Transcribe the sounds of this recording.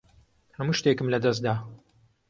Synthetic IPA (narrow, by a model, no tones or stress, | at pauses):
hɐmuʃt̪eːkɨmlɐd̪ɐs̚d̪aː